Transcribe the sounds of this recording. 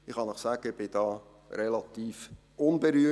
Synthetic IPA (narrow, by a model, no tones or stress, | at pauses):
ɪχhɑnəχsæɡ̥əɪb̥ɪd̥ɑː | ɾelɑt̪iːf | ʊnbeɾyːə